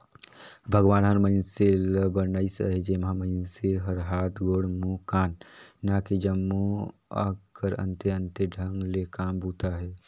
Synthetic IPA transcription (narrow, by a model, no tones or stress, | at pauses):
bʱəɡʋaːnɦəɾməɪnseləbənəisə̰ɦed͡ʒemãmə̃ɪnseɦəɾɦaːt̪ɡoːɽmukaːnːaːkid͡ʒəmːua̰kəɾə̰̃nt̪eə̃nt̪eɖʱəŋɡlekaːmbuːt̪aɦɛː